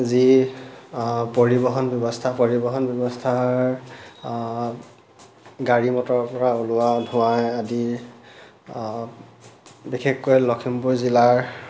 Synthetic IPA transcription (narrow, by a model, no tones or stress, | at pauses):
zi | poɹibɔɦɔnbjɔbɔstʰapɔɹibɔɦɔnbjɔbɔstʰaɹ | ɡaɹimɔtɔɹpɔɹaolʊadʱʊ̃wajadi | bikʰekːojlɔkʰimpuɹzilaɹ